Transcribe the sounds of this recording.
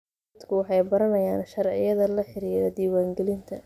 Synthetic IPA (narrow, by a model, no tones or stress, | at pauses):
d̪kʰʊwɑħɑjbɐɾɐnɐjaːnʃɐrʕɪ̰jɐðɐlɐħɪɾiːɾɛd̪iːwaːŋɡɛlɪnt̪ʰɐ̰